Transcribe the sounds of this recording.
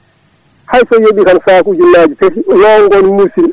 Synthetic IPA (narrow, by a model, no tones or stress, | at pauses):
hajsɔjeɓikansaːkud͡ʒunːaːd͡ʒitekiwɔŋɡɔnmusil